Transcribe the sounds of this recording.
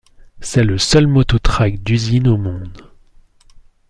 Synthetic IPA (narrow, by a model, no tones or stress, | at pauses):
sɛləsœlmɔt̪ɔt̪χakd̪yzinomɔ̃d̪